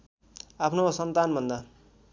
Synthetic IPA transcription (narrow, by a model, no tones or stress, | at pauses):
apʰnosʌnt̪anbʱʌnd̪a